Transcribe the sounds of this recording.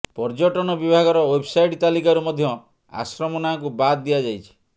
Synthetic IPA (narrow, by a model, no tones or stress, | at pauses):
pɔɾd͡ʒɔʈɔnɔbibʱaɡɔɾɔwebsajʈt̪alikaɾumɔd̪ʱjɔ | a̰sɾɔmɔnakubad̪d̪iad͡ʒajt͡ʃʰi̥